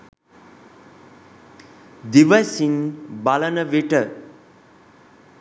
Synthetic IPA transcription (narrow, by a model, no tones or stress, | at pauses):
d̪iʋəsiŋbalənəʋiʈə